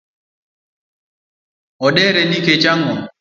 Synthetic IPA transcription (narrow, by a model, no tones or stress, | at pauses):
ɔɗɛɾɛndiket͡ʃaŋɡɔ